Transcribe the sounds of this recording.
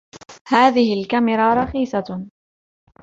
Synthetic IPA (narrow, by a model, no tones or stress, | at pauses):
haːðɪhɪlkamɪɾˤɑɾˤɑxiːsɑ